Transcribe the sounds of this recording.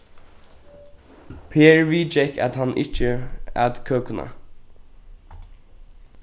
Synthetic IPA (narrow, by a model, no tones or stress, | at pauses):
pʰeːɹʋiːd͡ʒɛka̰t̪hanʔɪ̰t͡ʃːəæ̰t̪kʰøːkʊna̰